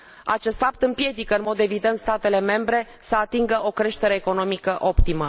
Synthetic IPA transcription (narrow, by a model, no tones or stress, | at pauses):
a̰t͡ʃe̞st̪fap̚t̪ɨmpje̞d̪ikəɨnmo̞d̪e̞vid̪e̞nt̪st̪at̪e̞le̞me̞mbɾe̞ | səat̪iŋɡəʔo̞kɾe̞ʃt̪e̞ɾe̞ːko̞nomikəʔo̞pt̪imə